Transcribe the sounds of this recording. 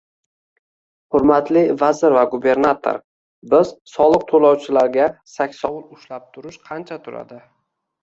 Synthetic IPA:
hʊɾmat̪ʰlɪvazɪɾvaɡube̞ɾnat̪ʰo̰ɾ | bɪzsɒlˠɨq̚t̪ʰolˠawt͡ʃʰɪlaɾɡʲasakʲsɒwʊɾʊʃlap̚t̪ʰʊɾɪʃqʰɑnt͡ʃʰat̪ʰʊɾa̰d̪ɪ

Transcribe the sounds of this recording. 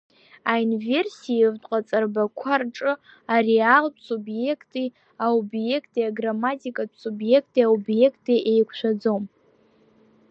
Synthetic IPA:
ainvʲe̞rsijevtʷʼqʼat͡sʼarbakʷʰarʈ͡ʂʼɨ | arealpʰsubje̞kʰtʼi | aubje̞kʰtʼiaɡramatʼikʼapʷʰsubje̞kʰtʼiaubje̞kʰtʼiʔejkʷʰʃʷᶣad͡zo̞m

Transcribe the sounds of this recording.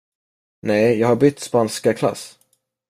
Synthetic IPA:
nɛjjɑːɡhaɾbʏt̪ːspanskakʰla̰s

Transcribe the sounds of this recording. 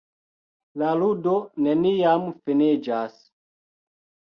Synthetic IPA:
laludonenijamfened͡ʒas

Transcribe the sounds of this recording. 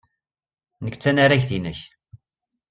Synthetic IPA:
nəkːt͡sːænaɾæçθinəç

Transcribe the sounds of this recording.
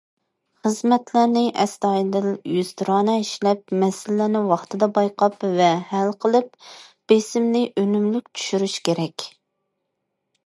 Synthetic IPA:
χəzmɛt̪ʰlæɾnɪʔɛst̪ɑid̪ɪljyz̥t̪ʰɾɑːnɛiʃlɛp̚mɛsɪlːænɪwɑχt̪ʰɨd̪ɑbɑjqʰɑpvɛhælqʰəlˠɨp̚b̥esɪmlɪʔønymlyk̚ʲt͡ʃʰy̥ʃyɾyʃkʲeɾɛkʲ

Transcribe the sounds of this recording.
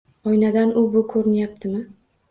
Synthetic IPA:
ɒjnad̪anʊbʊkʰɵɾɪnjap̚t̪ʰɪmɪ

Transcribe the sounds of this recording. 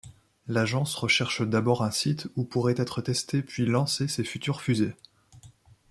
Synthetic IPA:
laʒɑ̃sʁəʃɛʁʃd̪abɔʁɛ̃sit̪upuʁɛt̪ɛt̪χət̪ɛst̪epɥilɑ̃sesefyt̪yʁfyze

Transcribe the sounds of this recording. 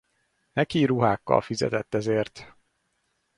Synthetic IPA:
nɛkiɾuɦaːkːɒ̰lfizɛ̰t̪ɛt̪ːɛzeːrt̪

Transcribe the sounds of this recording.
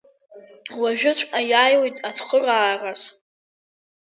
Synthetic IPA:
waʒᶣʊt͡ɕʷʰʼajaːjwojtʼat͡sʰχəraːras

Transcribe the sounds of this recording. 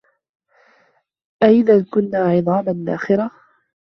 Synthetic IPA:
ʔaʔɪðankʊnːaːʕɨðˤɑːmanːa̰ːxɪɾa

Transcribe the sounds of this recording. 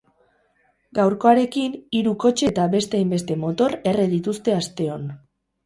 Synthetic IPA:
ɡawɾko̞aɾe̞kiniɾuko̞t͡ʃe̞t̪aβe̞st̪eajmbe̞s̬t̪e̞mo̞t̪o̞ɾe̞reðit̪ust̪e̞ast̪e̞o̞n

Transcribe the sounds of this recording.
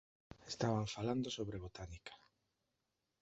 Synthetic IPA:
est̪aβaɱfaland̪osoβɾeβot̪anikḁ

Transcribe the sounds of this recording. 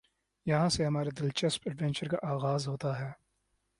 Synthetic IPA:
jɐɦãseɦɐmaːɾed̪ɪlt͡ʃɐspəɖʋɛ̃nt͡ʃəɾka̰ʔaːɣaːzɦoːt̪aɦɛː

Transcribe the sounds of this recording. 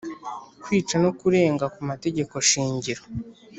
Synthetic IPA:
kwiːt͡ʃano̞kuɾe̞ːŋɡakumate̞ɟe̞ko̞ʃiːɲɟiɾo

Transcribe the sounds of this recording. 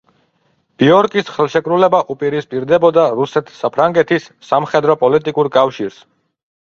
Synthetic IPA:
b̥iɔɾkʼisχɛlˠʃɛkʼɾulɛbaʔupʼiɾispʼiɾd̪ɛbɔd̪aɾusɛt̪ʰsapʰɾaŋɡɛt̪ʰisːamχɛd̪ɾɔpʼɔlit̪ʼikʼuɾkʼafʃiɾs

